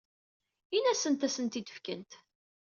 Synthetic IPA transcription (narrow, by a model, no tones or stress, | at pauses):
inæsənt̪æsənt̪id̪ə̥fkənt̪